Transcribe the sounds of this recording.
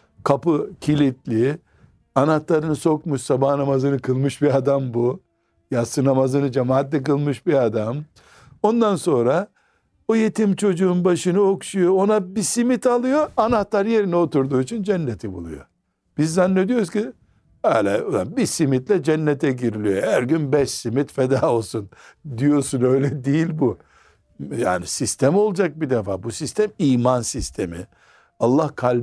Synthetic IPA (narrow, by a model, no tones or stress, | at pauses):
kʰapɯcʰilʲit̪lʲi | anat̪lˠaɾɯnɯso̞kmuʃsabahnamazɯnɯkʰɯlˠmɯʃbiad̪ambu | jasɯnamazɯnɯd͡ʒamaːat̪̬lːɛk̬ɯlˠmɯʃbiad̪am | o̞nd̪anso̞nɾa | oje̞t̪ʰimt͡ʃʰo̞d͡ʒuːnbaʃɯnɯo̞kʃujo̞onabisimit̪ʰalˠɯjo̞anat̪lˠaɾje̞ɾinio̞t̪uɾd̪uːit͡ʃʰind͡ʒɛnːet̪ʰibṵlˠṵjo̰ | b̥izːanːed̪ijo̞ɾuzci | alʲɛod̪ambisimit̪lʲɛd͡ʒɛnːet̪ʰɛɟiɾilʲijohæɾɟynbɛʃsimit̪fed̪aːo̞lˠsund̪ijo̞sunø̞jlʲɛd̪ijilʲbu | ja̰ːnisist̪ʰɛmo̞lˠd͡ʒak̚bid̪efaːbusist̪ʰæmiːmansist̪ʰemḭ | alˠːahkʰalʲ